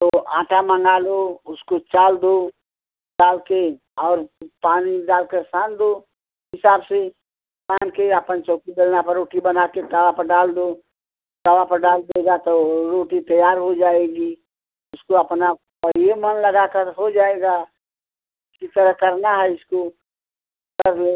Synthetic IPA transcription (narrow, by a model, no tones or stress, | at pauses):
t̪oʔãːʈʰamə̃ŋɡaːloʊskot͡ʃaːld̪o | ɖaːlke | ɔːɾpaːniɖaːlkeɾsãːnd̪o | ɦɪsaːbse | kãːnkeɐpənt͡ʃɔːkid̪elnapɐɾːoːʈibɐnakekəwapɐɾɖaːld̪o | k̪ɐʋapɐɾɖaːld̪eːɡat̪oɾoːʈit̪əjaːɾɦod͡ʒaːeɡi | ʊskoɐpna | pəɾemənlɐɡakəɾɦod͡ʒaːeːɡa | ʊskit̪əɾəɦkɐɾnaɦɛɪsko | kɐɾle